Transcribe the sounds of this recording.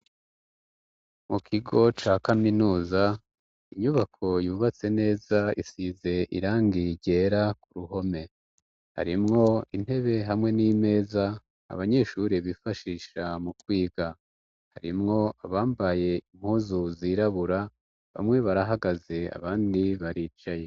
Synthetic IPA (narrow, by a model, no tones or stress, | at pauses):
mukʰiɡo̞t͡ʃaːkaminuːza | iɲuβakʰo̞juːβat͡se̞ne̞ːzaisize̞ʔḭɾaːŋɡiɾɟe̞ɾakuɾuɦo̞me̞ | ha̰ɾimŋo̞ine̞βe̞ɦamŋe̞nime̞ːza̰ː | βaɲe̞ʃuɾeβifaʃiːʃamukwiːɡa | haɾimŋo̞aβaːmbaje̞im̥huːzuziɾaβuɾa | βa̰mŋe̞βaɾaɦaɡaze̞a̰βaːndiβaɾiːt͡ʃaje̞